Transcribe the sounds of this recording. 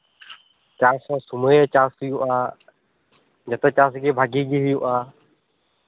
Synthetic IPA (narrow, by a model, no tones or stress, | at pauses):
t͡ʃaːsõːsʊmoeːt͡ʃaːsɪjõːaː | d͡ʒət̪õːt͡ʃaːsɡeːbʱaɡiːɡiːɦɪjõːʔaː